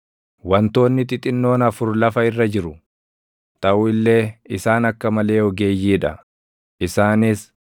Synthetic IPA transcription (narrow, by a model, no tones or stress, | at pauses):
wɐnt̪o̞ːnːɪt̪ɪt̪ʼɪnːo̞ːnɐfʊɾlɐfɐɪrːɐd͡ʒɪɾʊ | t̪ɐʔuːɪlːe̞ːɪsaːnɐkːɐmɐle̞ːɔɡe̞ːjːiːᶑɐ | ʔɪsaːnɪs